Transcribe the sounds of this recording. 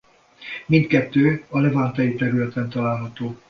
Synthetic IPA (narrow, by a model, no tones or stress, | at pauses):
mint̪kɛt̪ːøːɒlɛvant̪ɛjit̪ɛɾylɛt̪ɛnt̪ɒlaːlɦɒt̪oː